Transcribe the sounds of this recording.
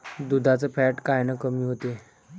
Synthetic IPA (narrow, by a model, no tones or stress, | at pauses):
d̪ud̪ʱat͡səpʰɛʈkajnəkəmiːɦot̪e